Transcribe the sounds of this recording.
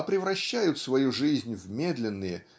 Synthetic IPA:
pɾʲɪvɾɐɕːæjʊt̪svɐjuʐɨzʲnʲvmʲe̞d̪lʲɪnːɨjə

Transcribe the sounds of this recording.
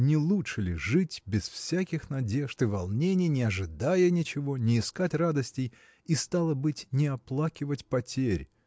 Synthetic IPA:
nʲɪlˠutʂɨlʲɪʐɨtʲbʲɪsfsʲakʲɪxnɐdʲe̞ʐt̪ɨvɐlˠnʲenʲɪjnʲɪɐʐɨd̪ajənʲɪt͡ɕɪvo̞nʲɪːskatʲrad̪əsʲtʲɪj | ist̪alˠəbɨtʲnʲɪɐplˠakʲɪvətʲpɐtʲeɾʲ

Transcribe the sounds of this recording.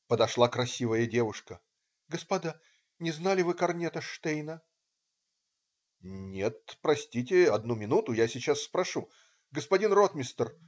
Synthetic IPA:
pəd̪ɐʂlˠakɾɐsʲivəjədʲe̞vʊʂkə | ɡəspɐd̪a | nʲɪznalʲɪvɨkɐrnʲet̪əʂt̪ejnə | nʲe̞t̪̚pɾɐsʲtʲitʲɪɐd̪numʲɪnut̪ʊjasʲɪt͡ɕasːpɾɐʂu | ɡəspɐdʲinrot̪mʲɪst̪ər

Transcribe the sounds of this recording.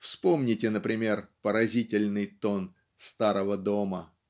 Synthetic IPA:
fspo̞mnʲɪtʲɪnəpɾʲɪmʲe̞rpəɾɐzʲitʲɪlʲnɨjt̪o̞n | st̪aɾəvəd̪o̞mə

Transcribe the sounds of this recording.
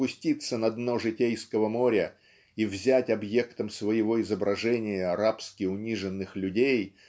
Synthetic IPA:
pʊsʲtʲit̪sːənɐd̪noʐɨtʲejskəvəmo̞ɾʲə | ivzʲætʲɐbje̞kt̪əmsvəjɪvo̞ɪzəbɾɐʐɛnʲɪjəɐɾapskʲɪʊnʲiʐɨnːɨxlʲʉdʲej

